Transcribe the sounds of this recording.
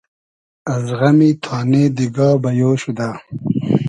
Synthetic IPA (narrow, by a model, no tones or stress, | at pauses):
ɐzʁɐmit̪ʰaːned̪iɡɑːbɐjoːɕud̪a